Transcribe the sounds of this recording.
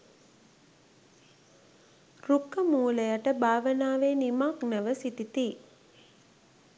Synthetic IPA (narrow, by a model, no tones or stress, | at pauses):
rukːəmuːləjaʈəbaːʋənaːʋeːnimaknəʋəsit̪it̪iː